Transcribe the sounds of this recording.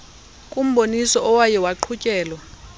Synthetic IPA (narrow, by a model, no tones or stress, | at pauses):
kʼum̩ɓonisɔʔɔwajɛwaǃʰucʼɛːlwa